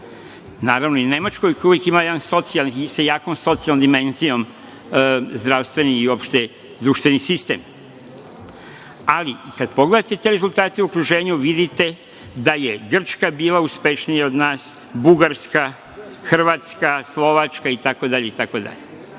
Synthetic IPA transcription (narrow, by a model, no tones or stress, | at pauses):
naːɾaʋnoine̞mat͡ʃkojkojuʋjekimajed̪anso̞t̪sialnsajaːko̞mso̞t̪sialnomd̪ime̞nzijo̞m | zd̪ɾaʋst̪ʋe̞niːo̞pʃt̪e | d̪ɾuʃt̪ʋe̞nisist̪e̞ːm | aliikad̪̚po̞ɡle̞d̪at̪e̞t̪e̞ɾe̞zulˠt̪aːt̪euokɾuʒe̞ːɲuʋid̪it̪e̞ | d̪ajeɡr̩t͡ʃkabiːlauspe̞ʃnijao̞d̪naːs | buɡaɾska | xr̩ʋaːt̪skaslˠo̞ʋat͡ʃkait̪ako̞d̪aʎeit̪ako̞d̪a̰ʎe